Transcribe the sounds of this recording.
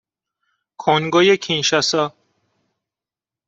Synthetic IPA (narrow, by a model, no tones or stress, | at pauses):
kʰoŋɡojecʰinʃæsɒː